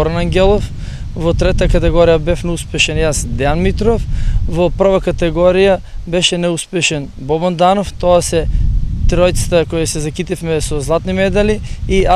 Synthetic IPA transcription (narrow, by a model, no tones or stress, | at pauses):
ɔɾnaŋɡʲɛlˠɔf | vɔt̪ɾɛt̪akat̪ɛɡɔɾijabɛfnɛuspɛʃɛnjasd̪ɛanmit̪ɾofvɔpr̩vakat̪ɛɡɔɾija | bɛʃɛnɛuspɛʃɛn | bɔband̪anoft̪ɔasɛt̪ɾɔjt̪sḁt̪akɔjasɛzakit̪ifmɛsɔzlˠat̪nimɛd̪aliia